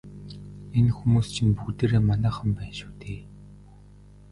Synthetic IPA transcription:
enxumuːst͡ɕʰinpukt̪eːɾeːmanæːχə̆mpæːnʃu̥ːt̪ʰeː

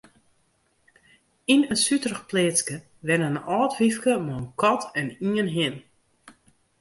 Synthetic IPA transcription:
inənsytrəxpleːskə | ʋɛnənɔːtʋifkəmɔənkʰɔtʰɛniənɦɪn

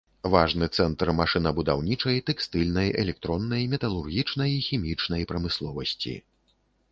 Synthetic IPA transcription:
vaʐnɨt̪sɛnt̪rmaʂɨnɐbud̪awnʲit͡ʂɐjt̪ɛkst̪ɨlʲnɐjɛ̰lʲɛk̚t̪ɾɔnːɐjmʲɛt̪ɐlˠurɣʲit͡ʂnɐjixʲimʲit͡ʂnɐjpɾɐmɨslˠɔvɐsʲt͡sʲḭ

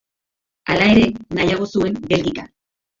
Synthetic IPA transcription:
alae̞ɾe̞najaɣ̞o̞sue̞mbe̞lɡika

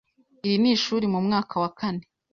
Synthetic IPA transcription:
iɾiniʃuːɾimumŋaːkʰawakʰane

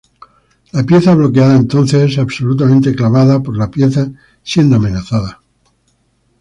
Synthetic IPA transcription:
lapje̞θaβlo̞keaðaent̪o̞nθe̞s̬aβso̞lut̪amẽnt̪e̞klaβ̞aðapo̞ɾlapje̞θa | sje̞nd̪oamẽ̞naθaða

